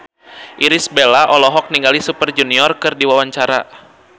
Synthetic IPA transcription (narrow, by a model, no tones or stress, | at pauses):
ʔiɾisbelaʔɔlɔɦɔk̚niŋɡalisupərd͡ʒuniɔrkɨrdiwawaɲt͡ʃaɾa